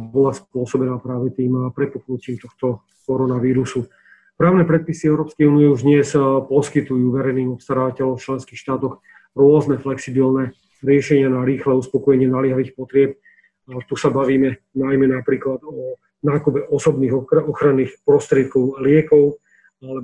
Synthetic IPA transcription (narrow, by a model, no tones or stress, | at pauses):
bɔlaspʊɔsɔbɛnaːpɾaːʋɛt̪iːmpɾɛpuknuciːmt̪ɔxt̪ɔ | kɔɾɔnaʋiːɾusu | pɾaːʊnɛpɾɛt̪̚pisiɛʊɾɔːpskɛjuːnijɛuʒd̪ɲɲɛspɔskit̪ujuːʋɛɾɛjniːɔpst̪aɾaːʋacɛlɔ̃ft͡ʃlɛnskiːxʃt̪aːt̪ɔx | ɾʊɔznɛflɛksibilnɛ | ɾɪɛʃɛɲɪanaɾiːxlɛuspɔkɔjɛɲɪɛnalɪɛɦaʋiːxpɔt̪ɾɪɛp̚ | t̪usabaʋiːmɛ | najmɛnapɾiːklad̪ɔ | naːkubɛʔɔsɔbniːɣɔxɾanːiːxpɾɔst̪ɾɪɛt̪̚kɔʊlɪɛkɔʊ | alɛ